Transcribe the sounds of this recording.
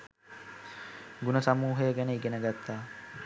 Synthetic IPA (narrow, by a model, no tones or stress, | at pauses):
ɡunəsamuːɦəjəɡænəiɡenəɡat̪ːaː